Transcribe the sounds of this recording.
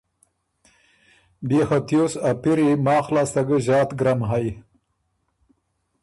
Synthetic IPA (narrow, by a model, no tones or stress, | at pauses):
bixat̪josapiɾimɑːxlɑːst̪aɡəʑɑːt̪ɡɾamɦaj